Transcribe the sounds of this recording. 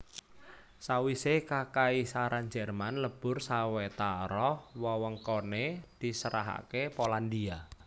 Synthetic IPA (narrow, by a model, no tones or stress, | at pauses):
sawisekakaisaɾand͡ʒɛrmanləb̥ʊrsawet̪aɾɔhwɔwəŋkɔned̪̥i̤səɾa̰ɦa̰kepoland̪ia